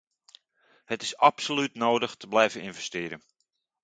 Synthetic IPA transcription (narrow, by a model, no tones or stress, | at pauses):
hətɪsapsolytnoːdəxtəblɛjvəninvɛstɪːɾən